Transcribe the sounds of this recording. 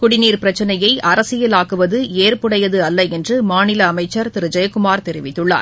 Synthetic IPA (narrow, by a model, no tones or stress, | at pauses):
kʊɽɪniːɾpɪɾɐt͡ʃːɐnɐjɐɪʔɐɾɐsɪjɪlaːkɯʋɐðɯeːɾpɯɽɐjɐðɯɐlːɐɛndrɯmaːnɪlɐːmɐɪt͡ʃːɐɾt̪ɪɾɯd͡ʒɐjɐkʊmaːɾt̪ɛɾɪʋɪt̪ːɯɭːa̰ːɾ